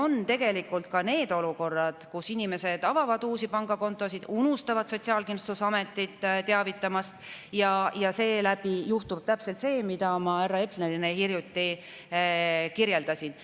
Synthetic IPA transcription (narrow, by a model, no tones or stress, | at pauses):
o̞nt̪e̞ɡ̥e̞likːˑult̪̚kɑne̞ːd̪o̞luko̞rːɑd̪̥kusinʲime̞se̞d̪̥ɑvɑvɑd̪uːsipɑŋɡ̥ɑko̞nt̪ːˑo̞sid̪̥unust̪ɑvɑd̪so̞t̪siɑːlkinst̪usɑme̞t̪ˑːit̪ːˑt̪e̞ɑvit̪ːˑɑmɑst̪jɑjɑse̞ːlæb̥ijuht̪ub̥̚t̪æpse̞lt̪se̞ːmid̪ɑmɑærːɑe̞pneɾinehirjut̪ːi | kiɾje̞ld̪ɑsin